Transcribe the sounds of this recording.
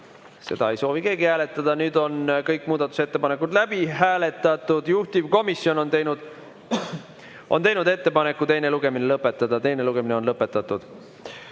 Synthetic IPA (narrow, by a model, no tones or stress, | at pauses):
se̞̰d̪̥ɑe̞jso̞ːvike̞ːɡihæːle̞t̪ːˑɑd̪̥ɑnyːd̪̥o̞nkɤjkːmuːd̪ɑt̪ːˑu̥se̞t̪ːe̞pɑne̞kːud̪læb̥iɦæːle̞t̪ːˑɑt̪ːˑud̪̥juht̪ivko̞misjo̞no̞nt̪ejnud̪̥ | ʔo̞̰nt̪e̞jnud̪e̞t̪ːe̞pɑne̞kːˑut̪e̞jne̞luɡ̥e̞minelɤpːˑe̞t̪ːˑɑd̪̥ɑt̪ejne̞luɡ̥e̞mineonlɤpːˑe̞t̪ːˑɑt̪ːud̪̥